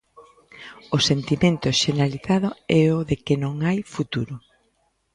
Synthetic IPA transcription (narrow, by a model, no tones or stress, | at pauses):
osent̪imẽnt̪ʊʃeneɾaliθað̞ʊɛoðekɪnõŋajfut̪uɾʊ